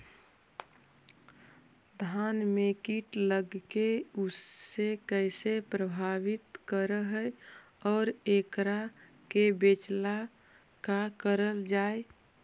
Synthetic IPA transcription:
d̪ʱaːnmekiʈləɡkeʊsːekəɪsepɾəbʱaːʋɪt̪kəɾəɦə | ɔːɾekɾa | kebeːt͡ʃla | kakəɾəld͡ʒaːe

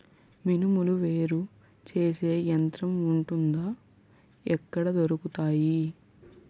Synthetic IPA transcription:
minumuluʋe̞ːɾu | t͡ʃe̞ːse̞ːjɐnt̪ɾɐmuɳʈund̪ɐː | ɛkːɐɽɐd̪oɾukut̪aːji

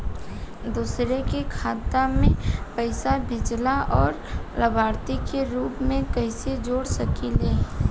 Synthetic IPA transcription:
d̪uːsɾekekʰaːt̪amẽpəɪsabʱɪd͡ʒlaʔɔːɾləbʱaːɾt̪ikeɾuːpmẽkəɪsed͡ʒoːɽsɐkileː

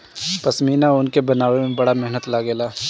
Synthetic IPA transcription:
pɐsmiːnaʊnkebɐnaːwemẽbɐɽamɛɦnət̪laːɡeːlaː

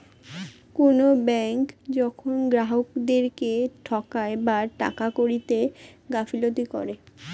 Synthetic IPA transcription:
konobɛŋkd͡ʑɔkʰonɡɾaɦokd̪eɾkeʈʰɔkaebaʈa̰kakoɾit̪eɡafilot̪ikɔɾe

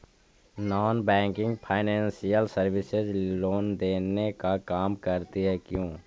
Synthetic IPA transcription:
nɔːnbɛ̃ːŋkɪ̃ŋɡpʰaːɪnɛ̃ːnsijəlsəɾʋɪsɪzloːnd̪eːnekakaːmkəɾt̪iɦɛkjõː

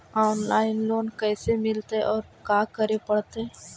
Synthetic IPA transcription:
ɔːnlaːɪnloːnkɛːsemɪlt̪eʔɔːɾkaːkəɾepəɽt̪eː

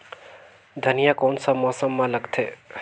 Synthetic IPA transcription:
d̪ʱənijakoːnsə̃mːɔːsəmːãləɡt̪ʰe

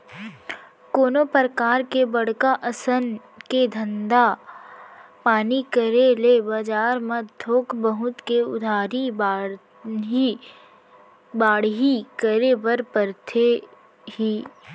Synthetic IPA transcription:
koːnopəɾəkaːɾkebəɽ̤kaʔəsən | ked̪ʱə̃nd̪a | paːnikəɾelebad͡ʒaːɾməd̪ʰʱoːkbəɦʊt̪keʊ̰d̪ʱaːɾib | baːɽɦikəɾebəɾpəɾt̪ʰe | hiː

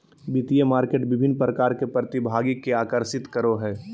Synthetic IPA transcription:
bit̪ijemaːɾkeːʈbɪbʱɪnːpɾəkaːɾkepɾɐt̪ibʱaːɡikːeaːkəɾsɪt̪kəɾoɦɛː

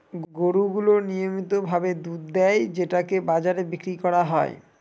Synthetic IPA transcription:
ɡoɾuɡulonijomit̪obʱabed̪ud̪d̪ɛjd͡ʑeʈakebad͡ʑaɾebikɾikɔɾaɦɔḛ

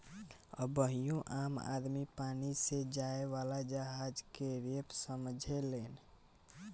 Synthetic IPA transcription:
ɔbəɦijõʔama̰d̪mipaːnised͡ʒaeʋalad͡ʒəɦad͡ʒkeɾepsəmd͡ʒʱelen

